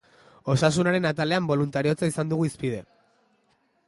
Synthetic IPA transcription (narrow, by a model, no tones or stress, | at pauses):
o̞sas̬unaɾe̞nat̪ale̞ambo̞lunt̪aɾio̞t͡saisand̪uɣ̞uispið̞e̞